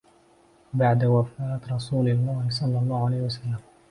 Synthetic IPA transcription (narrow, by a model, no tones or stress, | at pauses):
baʕd̪awafaːt̪ɾˤɑsuːlalmaːʕisˤɑlːɑlˤːɑːhʊʕalajhwasalːam